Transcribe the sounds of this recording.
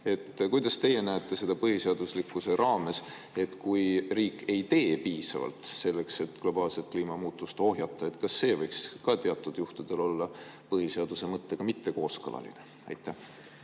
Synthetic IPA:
e̞t̪ːkujd̪̥ɑst̪e̞je̞næet̪ːˑe̞se̞d̪̥ɑpɤɦise̞ɑd̪̥uslikːˑuse̞ɾɑːme̞s | e̞t̪kujriːkːˑe̞jt̪e̞ːpiːsɑ̰vɑ̰lt̪ˑse̞lːe̞kse̞t̪ˑɡ̥lo̞b̥ɑːlse̞t̪̚kliːmɑmuːt̪ːˑust̪o̞ɦjɑt̪ːˑɑe̞t̪kɑsːe̞ːvɤjkskɑt̪eɑt̪ːˑud̪̥juht̪ud̪̥e̞lo̞lːɑpɤɦise̞ɑd̪̥use̞mɤt̪ːe̞ɡ̥ɑmit̪ːe̞ko̞ːskɤlɑ̰lḭne | ɑ̰jt̪ːˑæh

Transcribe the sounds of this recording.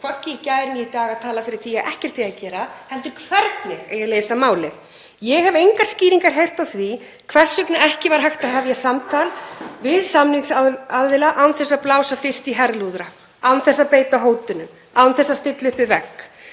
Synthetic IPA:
kʰvɔcːɪcajɾniit̪aːɣaðt̪ʰaːlafɪɾɪɾ̥θiaɛhcɛɾ̥t̪θiacɛːɾahɛlt̪ʏɾkʰv̥ɛɾt̪̚nɪɣḛjaleːjsamaːwlɪɣ | jɛɣɦɛvejŋkaɾ̥sciːɾiŋkaɾ̥ɦejr̥t̪awθvi | kʰv̥ɛr̥sʏknaɛhcɪvaɾ̥ɦhajxt̪aðɦɛvjasamt̪ʰalvɪðsamniŋsaaððɪlaʔawnθɛsːaplaːwsafɪr̥st̪iɦɛɾðluðɾa | awnθɛsːaðpeːjt̪aɦoːwt̪ʏnʏm | awnθɛsːast̪ɪt̪lʏhpɪvɛkː

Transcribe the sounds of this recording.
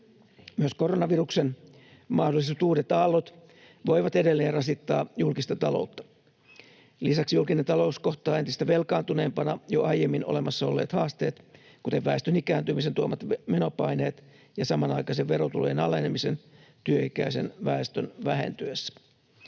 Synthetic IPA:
myøskoronɑʋiruksen | mɑhdolːˑist̪uːdet̪ɑlːot̪ | ʋoiʋɑt̪e̞de̞lːeːnrɑsit̪ːɑ̰ːjulkist̪ɑt̪ɑlo̞̰ut̪ːɑ̥ | lisɑksijulkinent̪ɑlo̞usko̞ht̪ɑːent̪ist̪æʋelkɑːnt̪une̞ːmpɑnɑjoɑjjemːino̞̰lemɑsːɑo̞lːḛːt̪hɑːst̪eːt̪ | kut̪eʋʋæest̪ønikæːnt̪ymiset̪uomɑt̪meno̞pɑineːt̪ | jɑsɑmɑnɑikɑiseʋʋe̞ɾot̪ṵlojenɑlenemise̞nt̪yøikæ̰isḛnʋæest̪ønʋæɦḛnt̪yesːæ̥

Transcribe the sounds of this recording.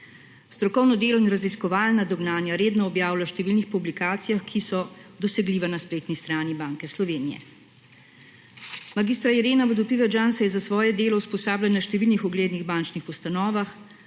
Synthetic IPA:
st̪ɾɔkɔwnɔd̪eːlɔinɾaziskɔʋaːlnad̪ɔɡnaːnjaɾeːd̪nɔːbjaːwlaʃt̪ɛʋilnixpublikaːt̪sijaxkʰisɔd̪ɔsɛɡliːʋanaspleːt̪nist̪ɾaːnibaːŋkɛslɔʋeːnijɛ̰ | maɡist̪ɾaiɾeːnaʋəd̪ɔpiʋɛd͡ʒansɛjɛzasʋɔːjɛd̪eːlɔwspɔsaːblanaʃt̪ɛʋilnixɔɡleːd̪niɣbaːnt͡ʃnixust̪anɔːʋax

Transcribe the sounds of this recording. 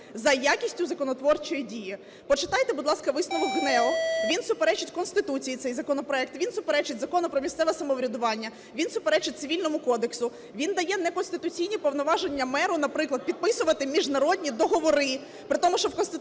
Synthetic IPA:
zɐjakʲisʲtʲʊzɐkɔnɔt̪ʋɔrt͡ʃɔjidʲiji | pɔt͡ʃɪt̪ɑjt̪ɛbʊd̪lˠɑskɐʋɪsnɔʋɔkɦnɛɔʋʲinsʊpeɾɛt͡ʃɪtʲkɔnst̪ɪt̪ut͡sʲijit̪sɛjzɐkɔnɔpɾɔɛk̚t̪ʋʲinsʊpeɾɛt͡ʃɪtʲzɐkɔnʊpɾɔmʲist̪sɛʋɛsɐmɔʋɾʲɐd̪ʊʋɑnʲːɐ | ʋʲinsʊpeɾɛt͡ʃɪt̚ʲt̪sɪʋʲilʲnɔmʊkɔd̪eksʊ | ʋʲind̪ɐjɛnɛkɔnst̪ɪt̪ʊt͡sʲijnʲipɔʋnɔʋɑʒenʲːɐmɛɾʊnɐpɾɪklˠɐd̪̚pʲid̪̚pɪsʊʋɐt̪ɪmʲiʒnɐɾɔd̪ʲnʲid̪ɔɦɔʋɔɾɪ | pɾɪt̪ɔmʊʃt͡ʃɔwkɔnst̪ɪ

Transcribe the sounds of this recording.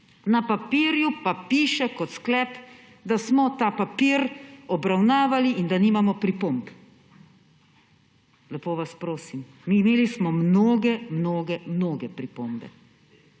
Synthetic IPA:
napapiɾjupapiːʃɛkɔt̪sklɛːp | d̪asmɔt̪aːpapiːɾɔbɾawnaːʋaliʔind̪aniːmamɔpɾipomp | lɛpoːʋaspɾoːsim | miːmeːlismɔmnoːɡɛmnoːɡɛmnoːɡɛpɾipoːmbɛ̰

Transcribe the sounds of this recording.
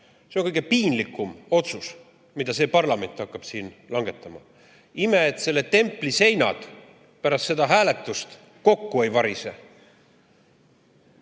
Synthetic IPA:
sekɤjɡ̥epiːnlikːˑumo̞t̪sus | mid̪̥ɑse̞ːpɑrlɑme̞nt̪ːˑhɑkːɑb̥siːnlɑŋɡ̥e̞t̪ːˑɑmɑ̰ | ime̞ːt̪se̞lːe̞t̪e̞mpːˑlise̞jnɑ̰d̪̥ | pæɾɑst̪se̞d̪ɑɦæːle̞t̪ːˑust̪ | ko̞kːue̞jvɑɾise

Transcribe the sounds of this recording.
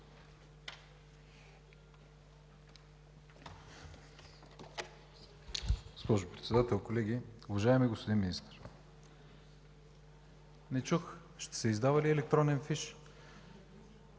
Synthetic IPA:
ɡ̥ospɔʒʊpɾɛt̪sɛd̪at̪ɛlˠkolɛɡʲiʊvaʒaɛmiɡospod̪inminist̪ɛɾ | nɛt͡ʃux | ʃt̪ɛ̥sɛizd̪avɐliɛlɛkt̪ɾɔnɛnfiʃ

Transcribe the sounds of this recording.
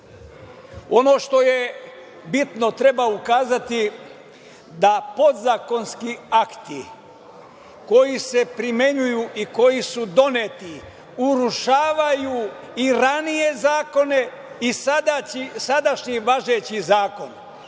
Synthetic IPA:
o̞no̞ːʃt̪o̞je̞ | bit̪no̞t̪ɾe̞baukaːzat̪i | d̪apo̞d̪zako̞nskiakt̪i | ko̞jise̞pɾime̞ɲujuʔiko̞jisud̪o̞net̪i | uɾuʃaːʋaju | iɾanije̞zaːko̞ne̞ | isad̪aisad̪aʃɲiʋaʒet͡ɕizaːko̞n

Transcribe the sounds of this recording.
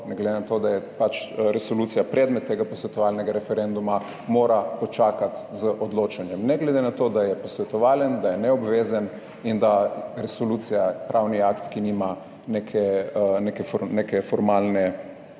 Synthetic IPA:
nɛɡled̪enat̪od̪ajɛpat͡ʃɾɛsolut̪sijapɾɛd̪mɛt̪ːeːɡapɔsʋɛt̪ɔʋalnɛɡaɾɛfɛɾend̪uma | moːɾapɔt͡ʃaːkat̪zəʔɔd̪loːt͡ʃanjɛmnɛɡlɛd̪enat̪od̪ajɛpɔsʋɛt̪ɔʋaːljɛnd̪ajɛnɛɔbʋezən | ind̪aɾɛsolut̪sijapɾawniakt̪kinima | nekʰɛnekɛfɔnekɛfɔɾmalnɛ

